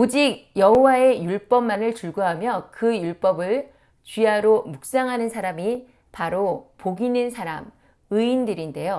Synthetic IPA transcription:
od͡ʑik̚jʌɦowae̞juɭp͈ʌmːanɯɭt͡ɕuɭɡuɦamjʌkɯjuɭp͈ʌbɯɭ | t͡ɕɥiaɾomuk̚s͈aŋɦanɯnsʰaɾami | paɾopoɡinɯnsʰaɾam | ɯindɯɾinde̞jo

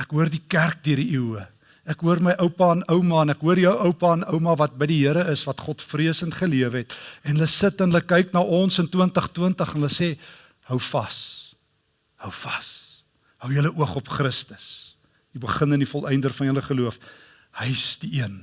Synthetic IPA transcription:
ækɦuərdikærk̚diəɾdiʔiwə | ækɦuərməjʔəwpɑːnəwmɑːənækɦuərijəwʔəwpɑːnœwmɑːvɐt̚bəjdiɦiəɾəəsvɐtχɔtfriəsəntχəliəvəɦɛtɛnɦələsətɛnɦələkɛjknɑːʔɔnsəntəntəχtəntəχənɦələseː | hœwfɐs | həwfɐ̥s | həwjələʔuəχɔpχrəstə̥s | ibəχənənifɔlˠʔɛjndərfɐnɦələχəluəf | həjsdiiən

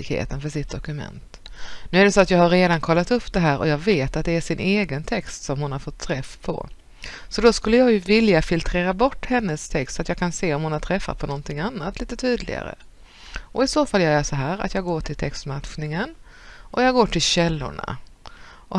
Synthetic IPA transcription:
ɪkhḛːt̪ənfœʂɪt̪̚d̪ɔkɵmɛ̰nt̪ | nʉ̟ːæɖɛsoat̪jɑːɡhaɾːeːd̪ankʰɔlːat̪ɵpːd̪ɛɦæːɾʔɔjɑːɡveːt̪at̪̚d̪ɛæʂɪnʔeːɡənt̪ʰɛkst̪sɔmhʊnhaɾfɔt̪ʰːɾɛfpʰɔ̰ | sɔd̪ɔskɵlːəjɑːɡjɵvɪljafɪlt̪ʰɾeːɾabɔʈːhɛnːəst̪ʰɛkst̪sat̪jɑːɡkʰanseːɔmhʊnhat̪ʰɾɛfːa̰pʰɔnɔnt̪ʰɪŋanːat̪liːt̪ət̪ʰyːd̪lɪ̰ɡa̰ɾə̰ | ʔɔɪsoːfaljɑːæʂɔɦæːɾa̰t̪jɑːɡoːʈʰɪlt̪ʰɛkst̪maɧnɪŋən | ʔɔjɑːɡɡoːʈʰɪlɕɛlːʊ̰ɳa̰ | ʔɔ

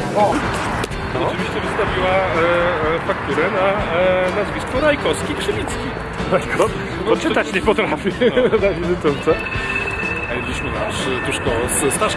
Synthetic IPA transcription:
ɔ | ɔt͡ʃɨvʲiɕt͡ɕɛvɨst̪avʲiwa | fakt̪uɾɛnanazvʲiskɔɾajkɔskʲipʂɨlʲit̪skʲi | ɾajkʰɔ | ɔt͡ʂːɘt̪at͡ɕɲɛpɔt̪ɾafʲizavʲizɘt̪unt̪sɛ | ajebilʲiɕmɘnaʂt̪uʂkɔsst̪aʂ

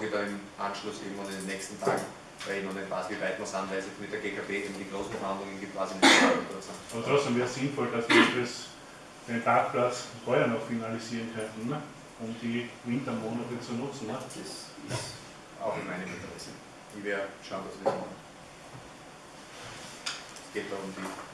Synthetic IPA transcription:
viɐdɑːɪmʔanʃlʊsḛɪ̰ɡŋ̩vonɪndenːɛçstn̩tʰa̰ːɡŋ | eɪnʊnɛnpa̰svivaɪtmɔsanvaɪsɛmɪt̚d̥eɐɡekʰabeːʔeːbm̩d̥̪iɡ̥ʁoːsn̩fɐhand̪lʊŋənɡip̚tkʰva̰ːzinɔəplat͡sənʔaːbɐt̪ʁɔt͡ssd̥emvɛːʁəsɪnfɔld̥asʋ̥iːɐitɛs | d̥entʰaːk̚plat͡sfɔʏɐnɔxfinalisiːʁnkʰœ̃ntn̩ | ʊmd̥ivɪ̃ntɐmoːnatət͡sunʊt͡sn̩d̥ɛsɪs | a̰ʊxɪnmaɪnəmɪ̰ntəʁɛsn̩ | ʋeːɐʃaʊndɐsmɪ | sɡ̥eːt̚d̥ɔʊmd̥iː

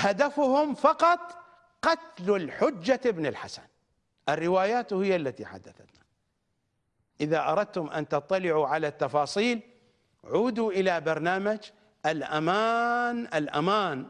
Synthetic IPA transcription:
had̪afʊhʊmfɑqɑt̪ˤ | qɑt̪lalħʊd͡ʒːaɪbnɪlħasan | ʔɪrːɪwaːjaːt̪hɪjːalːat̪ḭħa̰d̪ːaθat̪nḁ | ʔɪðaʔɑɾˤɑd̪̚t̪ʊmʔa̰nt̪ɑt̪ˤːɑlɪʕuʕalat̪ːɑfɑːsˤiːl | ʕuːd̪uʔɪlabɑɾˤnaːmad͡ʒ | ʔalʔamaːnʔɪlʔa̰maːn

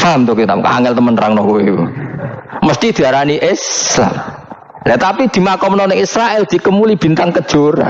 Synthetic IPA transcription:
famt̪okit̪apka̰ŋɛlt̪əmənraŋnɔkuewṵ | məst̪id̪̥i̤aɾaniʔɪsla̰m | lɛt̪apid̪̥i̤makɔmənɔnɪŋisɾaɛld̪̥i̤kəmulib̥i̤nt̪aŋkəd̥ʒ̥o̤ɾa̰n

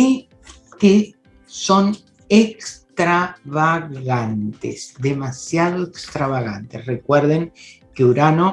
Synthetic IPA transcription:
i | ke | so̞n | ekst̪ɾaβaɣant̪ḛsd̪e̞masjaðoekst̪ɾaβaɣant̪e̞srekweɾðeŋ | keuɾano

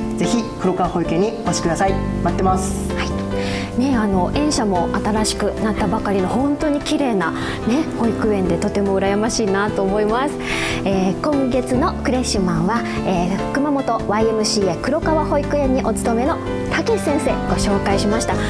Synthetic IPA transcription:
ze̞çʲikɯ̟ɾo̞kaβaho̞ikɯẽɲ̟ːikoɕi̥kɯd̪asaimat̪ːe̞masɨ̥ | hai | ne̞ano̞ʔẽ̞ɰ̃ɕamo̞at̪aɾaɕi̥kɯ̟nat̪ːabakaɾʲino̞hõ̞nt̪o̞ɲ̟ikʲiɾe̞ːna | ne̞ho̞ikɯ̟ẽ̞nd̪e̞t̪o̞t̪e̞mo̞ɯ̟ɾajamaɕiːnat̪o̞ːmo̞imasɨ̥ | eːkõ̞ŋɡe̞t͡sɨno̞kɯ̟ɾe̞ɕːɨmãɰ̃βa | e̥ːkɯ̟mamo̞t̪o̞βaie̞mɯ̟ɕiːekɯ̟ɾo̞kaβaho̞ikɯ̟ẽ̞ɲ̟ːiʔo̞t͡sɨ̥t̪o̞me̞no̞ | t̪ʰakʲisẽ̞ɰ̃se̞ːɡ̥o̞ɕo̞ːkaiɕimaɕi̥t̪a

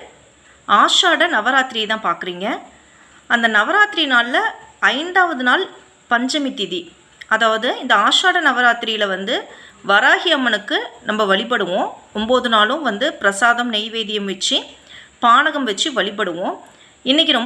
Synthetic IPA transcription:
aːʂaːɽɐnɐʋɐɾaːt̪ɪɾɪjɐt̪ãːpaːɾkɯɾiːŋɡɐ | ɐnd̪ɐnɐʋɐɾaːt̪ɪɾinaːllɐɐɪɳɖaːʋɐðɯnaːl | pɐɲd͡ʒɐmɪt̪ːɪði | ɐðaːʋɐðɯɪnd̪ɐaːʂaːɽɐnɐʋɐɾaːt̪ɪɾɪjɪlɐʋɐnd̪ɯʋɐɾaːɣɪɐmːɐnɯkːɯnɐmbɐʋɐɭɪp̬ɐɽɯʋõːʊmboːðɯnaːlʊ̃mʋɐnd̪ɯpɪɾɐsaːðɐmnɛɪʋeːðɪjɐmʋɛt͡ʃːipaːɳɐɣɐmʋɛt͡ʃːiʋɐɭɪp̬ːɐɽɯʋõː | ɪnːɪk̬ʲːɪɾɔm

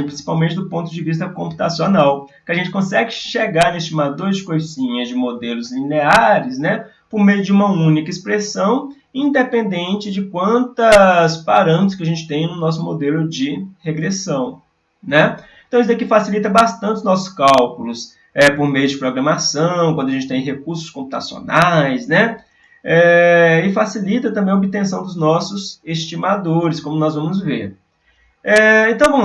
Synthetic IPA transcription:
pɾĩsi̥pawmẽnt͡ʃɪd̪ʊpõnt̪ʊd͡ʒɪvis̬t̪ɐkõmpu̥t̪asjonawkɪaʒẽnt͡ʃɪkõsɛɡɪʃeɡaɾnest͡ʃɪmad̪oɾzd͡ʒɪkojsĩɲɐd͡ʒɪmod̪elʊzlineaɾɪsnɛ | poɾmejʊd͡ʒɪũmɐũnikɐispɾesɐ̃w̃ | ĩnd̪epẽnd̪ẽnt͡ʃɪd͡ʒɪkwɐ̃nt̪ɐspaɾɐ̃t͡ʃɪskɪaʒẽnt͡ʃɪ̥t̪ẽj̃nʊnɔs̬ʊmod̪elʊd͡ʒɪheɡɾesɐ̃w̃ | nɛẽt̪ɐ̃w̃is̬d̪akifasilit̪ɐbast̪ɐ̃nt͡ʃɪʊnɔsʊ̥skawkʊlʊs | ɛpoɾmejʊd͡ʒɪpɾoɡɾɐ̃masɐ̃w̃k̬ʷwɐ̃d̪ʊɐʒẽt͡ʃɪt̪ẽj̃ɦekuɾsʊ̥skõp̚u̥t̪asio̰najsnɛ | ɛɪfasilit̪ɐt̪ɐ̃mbẽj̃ɐobɪt̪ẽsɐ̃w̃d̪ʊznɔsʊsest͡ʃimad̪oɾɪskõmʊnɔzvɐ̃mʊzveɾ | ɛẽnt̪ɐ̃w̃õ

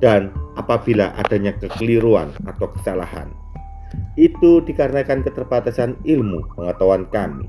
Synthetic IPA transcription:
d̥anapab̥ilaʔa̰d̥a̤ɲakəkəliɾua̰nat̪awkə̥sala̰ha̰n | it̪ud̥ikarnakankət̪ərb̥at̪asanilmupəŋət̪awankamḭ

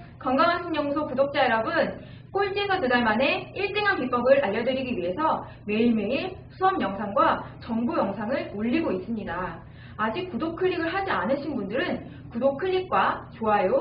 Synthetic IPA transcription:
kʌŋɡaŋɦansʰʌŋɲʌŋsʰopudok̚t͡ɕ͈aeɾʌbɯn | k͈oɭt͡ɕ͈esʰʌtedaɭmane̞iɭt͈eŋɦanpip͈ʌɡɯɾaʎːʌdɯɾiɡiɥiɦe̞sʰʌ | me̞iɭmeisʰuʌmjʌŋsʰaŋɡwat͡ɕʌŋbujʌŋsʰaŋɯɭoʎːiɡois͈ɯmɲidaː | d͡ʑik̚k͈ːudok̚kʰɯʎːiɡɯɭɦad͡ʑianɯɕʰinbundɯɾɯn | kudokʰɯʎːik̚k͈wat͡ɕoɦajo

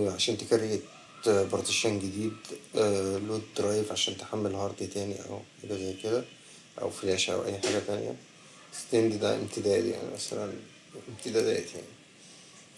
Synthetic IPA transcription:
ʕaʃæːnt̪ekæɾeɡet̪ | bɾot̪eʃænɡed̪iːd̪ | loːd̪̚ɾˤɑːjefʕaʃæːnt̪e̥ħamːelhɑɾˤd̪ˤit̪æːnḭʔæ̰wʔelæzæjːked̪æ | ʔæ̰wfelæːʃæʔæ̰wʔæ̰jːħaːɡæt̪ænḛjæ̰ | st̪nd̪id̪æ̰ʔḛb̚t̪ed̪æːt̪ja̰ʕnḭmæsæ̰læn | ʔeb̚t̪ed̪æd̪æ̰ːt̪ja̰ʕni

